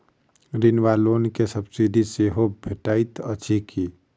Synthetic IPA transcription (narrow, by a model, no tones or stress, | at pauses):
ɾinʋaloːnkesəbsiɖʱiseɦobʱeʈaːit̪ət͡ʃʰikiː